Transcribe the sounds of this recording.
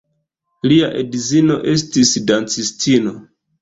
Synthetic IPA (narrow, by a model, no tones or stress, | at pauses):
liaʔedizino̞ʔe̞s̬tisdant͡sistino̞